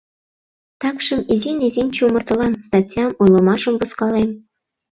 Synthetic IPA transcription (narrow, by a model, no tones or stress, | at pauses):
t̪ɑkʃɤ̆mizinizʲinʲt͡ɕumɤ̆rt̪ɤ̆lɑnst̪ɑtʲjɑmujlˠɤ̆mɑʃə̆mvuskɑlem